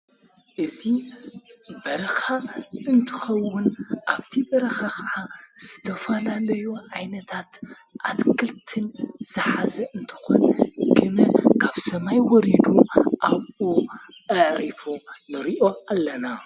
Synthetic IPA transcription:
ʔɨzi | bɐɾɐxaɨnt̪ʰɨ̥xɐwːʊnʔaβt̪ʰibɐɾɐxakɐʕaz̥ɨt̪ʰɐfɐlalɐjoʕajnɐt̪ʰat̪ | ʔat̪kʰɨlt̪ʰɨnz̥ɨħazɐʔɨnt̪ʰɨ̥xonɡɨnɐkʰaβsɐmajwɔɾid̪uʔaβu | ʔɐʕɾifonɨɾiʔo̞alːɐna

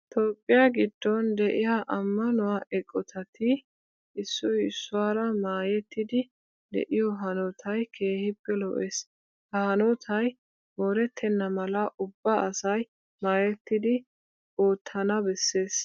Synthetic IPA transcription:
t̪oːpʼːɪjaɡɪd̪ːɔnd̪ɛʔɪjaʔɐmːɐnʊwaʔɛkʼːɔt̪ʰɐt̪ʰɪ | ʔɪsːʊjɪsːʊwaːɾɐmaːjɛt̪ːɪd̪ɪ | d̪ɛ̰ʔɪjɔɦɐnɔt̪ʰɐjkʰe̞ːhɪpːɛlɔ̰ʔeːs | hɐhɐnɔt̪ʰɐj | moːɾɛt̪ʰːɛnːɐmɐlɐʔʊbːaʔɐsɐj | maːjɛt̪ːɪd̪ɪ | oːt̪ʰːɐnɐbɛsːe̞ːs

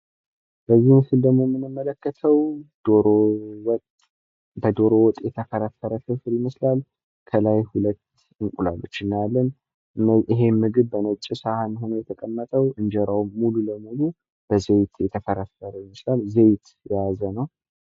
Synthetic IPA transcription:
b̥əzːihmsɨld̪əmːomːɨnːɨmːələkːət̪ʰəwd̪̥oɾowt̪ | bəd̪o̞ɾowɔt̪ʼjɛt̪ʰəfəɾəfəɾəkɨfɾiməslal | kʰəlajhulət̪ː | ɨŋkʼula̰lːut͡ʃːɨnːaalːən | ɨnːəʔɪɦe̞mːɨɡɨβbənət͡ʃʼisahanhonəjɛt̪ʰəkʼəmːət̪ʼəwɨnd͡ʒɛɾawːululəmulu | b̥əzejt̪ʰjɛt̪ʰəfəɾəfəɾəjiməslalzejt̪ | jazənəw

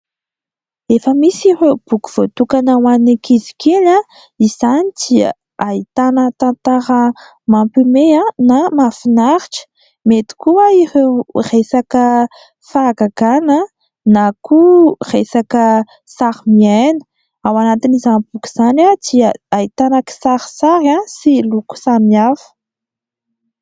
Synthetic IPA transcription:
efəmisib̥ukuv̥ot̪ukanawanikʰizi̥kela | iz̥anit͡si | ait̪anət̪ant̪aɾə | mampimeanamafinaɾiʈ͡ʂə̥ | met̪i̥kuaiherejsakə | faːɡaɡ̥anə | nakuresakə | saɾimienə̥ | awanat̪inizanpuki̥z̥anad̪iaait̪anaki̥saɾisaɾasiluku̥samiafə̥

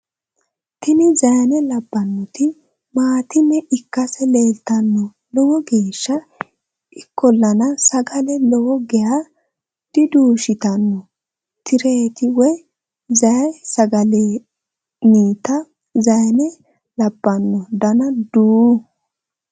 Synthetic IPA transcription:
t̪ɪnɪzɐjnɛlɐbːɐnːɔt̪ɪ | maːt̪ɪnːɛʔɪkːɐsɛleːlt̪ɐnːɔ | lɔwɔɡiːʃːɐ | ʔɪkːɔlːɐnɐsɐɡɐlɛlɔwɔɡɛja | d̪̥ɪd̪uːʃɪt̪ɐnːɔ | t̪ɪɾeːt̪ɪwɔj | zɐjsɐɡɐle | niːt̪ɐ | zɐjnɛ | lɐbːɐnːɔd̪ɐnɐd̪uː

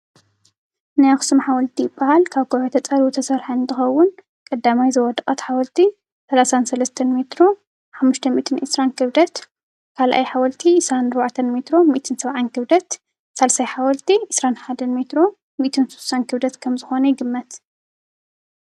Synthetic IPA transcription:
najaxsɨmħawɔlt̪ʰijɪbːahalkʰaβkoʕot̪ʰɐt͡sʼɐlut̪ʰɐsɐɾħaɨnt̪ʰɨxɐwːʊn | kʼɐd̪ːamajzɐwɔd̪ɨkʼɐt̪ħawɔlt̪ʰi | sɐlasansɐlɐst̪ʰɐnmet̪ɾo̞ | ħamːuʃt̪ʰɐmḭʔt̪ʰɨnʔɨsɾankʰɨβd̪ɐt̪ | kʰalʔa̰jħawɐlt̪ʰiʕɨsɾanɨɾβaʕt̪ʰɐnmet̪ɾomiʔt̪ʰɨnsɐβʕankʰɨβd̪ɐt̪ | sɐlsajħawɔlt̪ʰiʕɨsɾanħad̪ɐnmet̪ɾo | miʔt̪ʰɨnsu̥sankʰɨβd̪ɐt̪kʰɐmzɨxo̞nɐjɪɡɨmːɐt̪

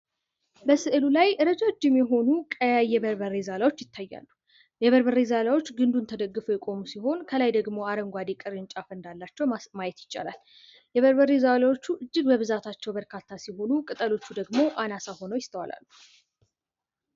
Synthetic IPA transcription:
bəsɨʔɨlulajʔɨɾəd͡ʒad͡ʒːɛmːɛɦo̞nukʼəjajːɛβəɾβəɾezalawo̞t͡ʃːjɪt̪ʰːajːa̰lːu | jɛβəɾbəɾezalawo̞t͡ʃːɡɨnd̪unt̪ʰəd̪əɡːɨfujɛkʼo̞musiho̞nkʰəlajd̪əɡmo̞aɾəŋɡʷad̪ekʼɨɾɨnt͡ʃʼafɨnd̪alːat͡ʃːɛwmajɛt̪jɪt͡ʃːa̰la̰l | jɛβəɾbərezalawo̞t͡ʃːuʔɨd͡ʒːɪɡbəβɨzat̪ʰat͡ʃːɛwbəɾkʰat̪ʰːasiho̞nukʼɨt̪ʼəlo̞t͡ʃːud̪əɡmo̞ʔanasaho̞nəwjɪst̪ʰəwa̰la̰lːu

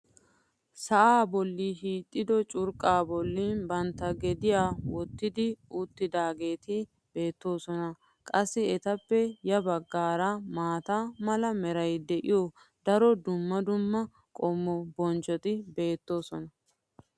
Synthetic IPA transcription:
sɐʔaːbɔlːiːɦiːt̪ʼːɪd̪ɔt͡ʃʼʊɾkʼːaːbɔlːiːnbɐnt̪ːɐɡɛd̪ɪjaːwɔt̪ːɪd̪ɪʊt̪ːɪd̪aːɡe̞ːt̪ɪ | be̞ːt̪ːo̞ːsɔnɐ | kʼɐsːɪɛt̪ɐpːɛjɐbɐɡːaːɾamaːt̪amɐlɐmɛɾɐjd̪ɛʔɪjo | d̪ɐɾɔd̪ʊmːɐd̪ʊmːɐ | kʼɔmːɔbɔnt͡ʃʼɔt̪ɪbe̞ːt̪ːo̞ːsɔnɐ

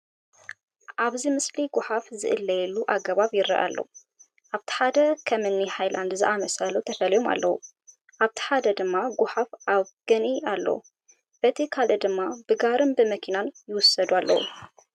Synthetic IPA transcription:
ʔaβzimɨsliɡʊħafzɨ̰ʔɨlːɐjɛlːuʔaɡɐβaβjɪɾːɐ̰ʔa̰lːɐ̰wu | ʔaβt̪ʰi̥ħad̪ɐkʰɐmɨnːiħajland̪zɨʔamɐsɐlut̪ʰɐfɐlijo̞ma̰lːɐ̰wṵ | ʔaβt̪ʰi̥ħad̪ɐd̪ɨmːaɡʊħafʔaβɡ̥ɐnialːɐ̰wṵ | b̥ɐt̪ʰikʰalɨd̪ɨmːabɨɡaɾɨnbɨmɐkʰinanjɪwʊsɐd̪ualːɐ̰wṵ

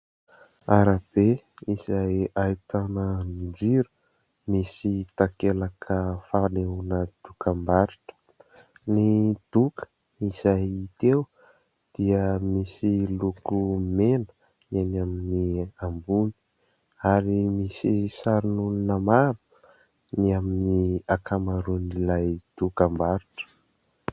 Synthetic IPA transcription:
aɾab̥eizajait̪anəmid͡ʒiɾu̥ | misit̪akelakʰəfaneɦunəd̪̥ukʰambaɾiʈ͡ʂə̥ | nid̪̥ukə̥ | izajit̪ew | d̪̥iəmisilukumenə̥ | enaminiambuni̥ | aɾimisisaɾinuninəmaɾu̥ | niaminiakʰamaɾunilajd̪̥ukambaɾiʈ͡ʂə̥

